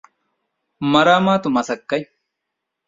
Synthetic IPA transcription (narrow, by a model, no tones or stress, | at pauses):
mɐɾaːmaːt̪ʊmɐsɐkːɐj